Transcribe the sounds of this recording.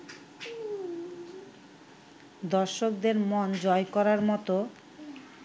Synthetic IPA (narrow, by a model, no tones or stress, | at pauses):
d̪ɔɾʃok̚d̪eɾmond͡ʑɔekɔɾaɾmɔt̪o